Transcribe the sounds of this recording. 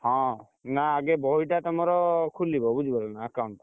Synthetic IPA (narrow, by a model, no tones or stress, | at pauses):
hɔ̃ | naːɡebɔɦiʈat̪ɔmɔɾɔkʰulibɔbud͡ʒʱbɔlɔnaəkawɳʈ